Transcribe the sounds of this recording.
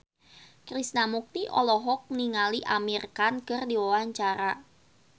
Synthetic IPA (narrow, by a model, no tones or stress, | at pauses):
kɾisnamuk̚t̪iʔɔlɔɦɔk̚niŋaliʔamirkankɨrdiwawaɲt͡ʃaɾa